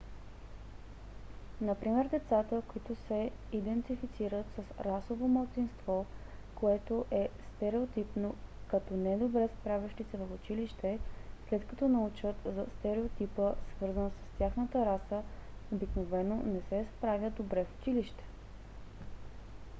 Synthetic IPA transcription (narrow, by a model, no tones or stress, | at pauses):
nɐpɾimɛɾd̪ɛt̪sat̪əkoit̪ʊsɛid̪ɛnt̪ifit̪siɾət̪səsɾasovoməlˠt̪sinst̪vɔkoɛt̪oʔɛst̪ɛɾɛot̪ipnokɐt̪ɔnɛd̪obɾɛspɾavʲjəʃt̪isɛvəxʊt͡ʃiliʃt̪ɛslɛt̪kɐt̪ɔnɐut͡ʃət̪zɐst̪ɛɾɛot̪ipəsvɤɾzənsɐ̥st̪ʲjaxnət̪əɾasəobiknovɛnonɛsɛspɾavʲjəd̪obɾɛfʊ̥t͡ʃiliʃt̪ɛ̥